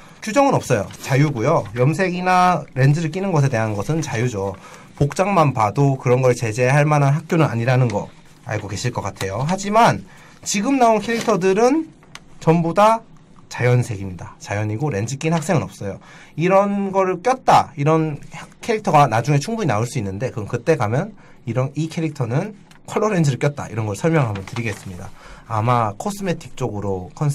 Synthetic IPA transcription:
kjud͡ʑʌŋɯnʌp̚s͈ʌjo̰t͡ɕajuɡujojʌmsʰe̞ɡinaɾe̞nd͡ʑɯɾɯɭk͈inɯnɡʌs̬ʰe̞te̞ɦanɡʌsʰɯnt͡ɕajud͡ʑo | pok̚t͡ɕ͈aŋmanpadokɯɾʌnɡʌt͡ɕe̞d͡ʑe̞ɦaɭmananɦak̚k͈jonɯna̰ɲiɾanɯnɡʌ̰ | a̰ɭɡoke̞ɕʰiɭk͈ʌk͈atʰe̞joɦad͡ʑiman | t͡ɕiɡɯmnaonkʰeɾik̚tʰʌdɯɾɯn | t͡ɕʌmboda | t͡ɕajʌnsʰe̞ɡimɲidat͡ɕajʌɲiɡoɾe̞nd͡ʑikʰinhak̚s͈e̞ŋɯnʌp̚s͈ʌjo | iɾʌnɡʌɾɯk͈jʌt̚t͈aiɾʌnhakʰe̞ɾik̚tʰʌɡanad͡ʑuŋe̞t͡ɕʰuŋbuɲinaoɭs͈uinːɯnde̞kɯʌkɯt͈e̞kamjʌn | iɾʌikʰe̞ɾik̚tʰʌnɯn | kʰʌɭːʌɾend͡ʑɯɾɯɭk͈jʌt̚t͈a̰ḭɾʌnɡʌɯɭsʰʌɭmjʌŋɦamjʌntɯɾiɡe̞s͈ɯmɲida̰ːmakʰosʰɯme̞tʰi̥k̚t͡ɕ͈oɡɯɾokʰʌns

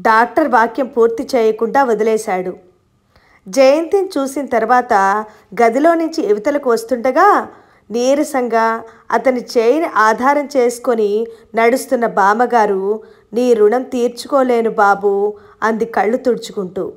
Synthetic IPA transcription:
ɖaːk̚ʈɐɾʋaːkjɐmpuːɾt̪it͡ʃɛːjɐkuɳɖaːʋɐd̪ɐlɛːʃaːɽu | d͡ʒɐjɐnt̪int͡ʃuːsinɐt̪ɐɾuʋaːt̪ɐ | ɡɐd̪ilo̞ːnuɲt͡ʃieʋit̪ɐlɐkuʋɐst̪uɳɖɐɡaː | niːɾɐsɐŋɡa | ɐ̰t̪ɐnit͡ʃeːjɐniʔaːd̪ʱaːɾɐmt͡ʃeːsu̥ko̞ninɐɽust̪unːɐbaːmɐɡaːɾu | niːɾuɳɐmt̪iːɾt͡ʃu̥koːle̞ːnubaːbu | ɐnd̪ikɐɭːut̪uɽt͡ʃu̥kuɳʈuː

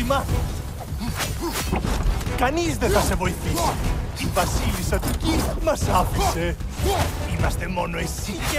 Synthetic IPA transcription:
ima | kanizd̪et̪asevɔjθis | ibasilisat̪uk̪imasafise | imast̪emɔnoɛsi

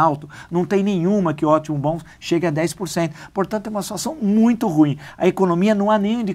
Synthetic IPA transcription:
awt̪ʊnɐ̃w̃t̪ẽj̃nẽj̃ũmɐkɪʊɔt͡ʃimʊbõw̃s | ʃeɡɪɐd̪ɛjspoɾsẽnt̪ʊ̥poɾt̪ɐ̃nt̪ʊɛumɐsi̥t̪wasɐ̃w̃mũj̃t̪ʊhuĩɐekonomiɐnɐ̃w̃anẽj̃ũd̪ɪ

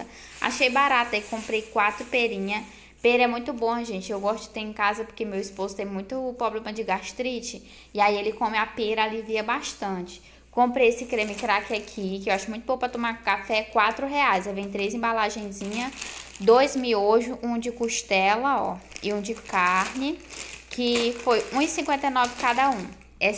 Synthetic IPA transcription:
a̰ʃejbaɾat̪ɐekõmpɾejkwat̪ɾʊpeɾĩɲɐ | peɾɛmũj̃t̪ʊbõɐʒẽnt͡ʃɪewɡɔst̪ʊɪ̥t̪ẽĩkazɐpoɾkemewispozʊt̪ẽj̃mũj̃t̪ʊpɾɔblẽmɐd͡ʒɪɡaʃt̪ɾit͡ʃɪː | aielɪkõmɪapeɾaliviɐbaʃt̪ɐ̃t͡ʃɪ̥ | kõpɾejesɪkɾemɪkɾakɪakʰikɪewaʃʊmũj̃t̪ʊbõwpɾɐt̪õmakafɛkwat̪ɾʊɦeajzɛvẽj̃t̪ɾejzẽbalaʒẽj̃zĩɲɐd̪ojzmioʒʊʔũd͡ʒɪkuʃt̪ɛlɐɔ̰ɪũd͡ʒɪkaɾnɪkʰɪfojũisĩŋkwẽnt̪ejnɔvɪkad̪ɐũ | ɛ

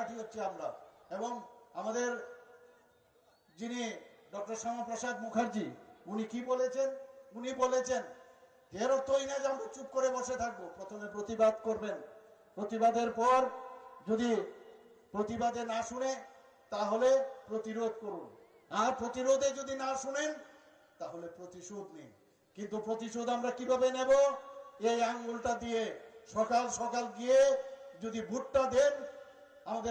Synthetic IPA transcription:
aʈʰiɦotːɕʰeamɾaeboŋamad̪eɾ | d͡ʑiniɖɔk̚ʈoɾʃamapɾoʃad̪mukʰaɾd͡ʑiunikibolet͡ɕʰenunibolet͡ɕʰen | d͡ʒeɾot̪ojnad͡ʑamɾat͡ɕup̚koɾeboʃet̪ʰak̚bopɾot̪ʰomepɾot̪ibad̪koɾbenpɾot̪ibad̪eɾpɔɾd͡ʑod̪i | pɾot̪ibad̪enaʃune | t̪aɦolepɾot̪iɾod̪koɾun | aɾpɾot̪iɾod̪ed͡ʑod̪inaʃunen | t̪aɦolepɾot̪iʃod̪nij | kint̪upɾot̪iʃod̪amɾakibʱabeneboejaŋɡolʈad̪ijeʃɔkalʃɔkalɡijed͡ʑod̪ibʱuʈːad̪en | amad̪e

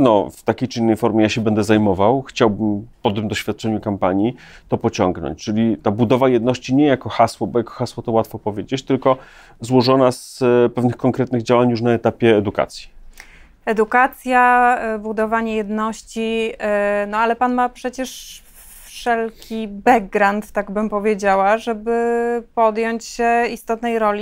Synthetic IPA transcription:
nɔ̰ft̪akʲejt͡ʂɘinːɛjfɔɾmʲjɛjaɕɛbɛnd̪ɛzajmɔvawxt͡ɕawbɘmpɔt̪ɘmd̪ɔɕfʲjat̪̚t͡ʂɛɲukampaɲi | t̪ɔpɔt͡ɕɔŋɡnɔ̰ɲt͡ɕt͡ʂɘlʲit̪abud̪ɔvajɛd̪nɔɕt͡ɕiɲɛjakɔxaswɔbɔjakɔ̥xaswɔt̪ɔwat̪fɔpɔvʲjed͡ʑet͡ɕt̪ɘlkɔ | zwɔʐɔnaspɛvnɘxkɔŋkɾɛt̪̚nɘɣd͡ʑawaɲjuʂ̬naɛt̪apʲjɛːd̪uka̰t̪sʲji̥ | ɛd̪ukat̪sʲjabud̪ɔvaɲɛjɛd̪nɔɕt͡ɕi | nɔalɛpanmapʂɛt͡ɕɛʂ | fʂɛlkʲibɛɡɡːɾant̪ːaɡbɘmpɔvʲjed͡ʑawaʐɛbɘpɔd̪jɔɲt͡ɕɕɛist̪ɔt̪nɛjɾɔlʲi

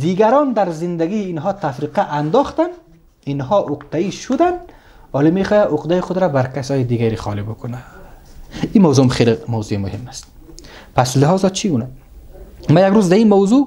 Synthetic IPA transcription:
d̪iɡaɾɔnd̪aɾzɪnd̪aɡiːnɦɒt̪afɾiqaʔand̪ɔχt̪an | inɦɔʔʊqd̪aiʃʊd̪an | ɔlimexɔjaʔʊqd̪ajixʊd̪ɾabaɾkasɔjɪd̪iɡaɾixɔ̰libʊkʊna | imawzumχelɪmawzuimʊhɪmːast̪̚ | paslɪɦɒzɔt͡ʃʰiuna | majaɡɾuzd̪aimawzu

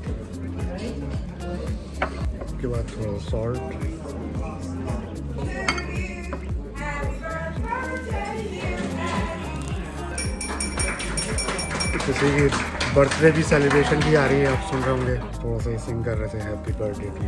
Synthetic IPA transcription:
skebaːd̪̚t̪ʰoːɽːasɔːlʈ | kɪsikibɐɾt̪ɾebʱiseːlɪbɾeːʃənbʱiaːɾɐɦiɦɛ̃aːpsʊnɾeɦõːŋɡeːt̪ʰoːɽas̬aɦisɪ̃ŋɡkɐɾːəɦet̪ʰeɦɛbipəɾɖeːʈi

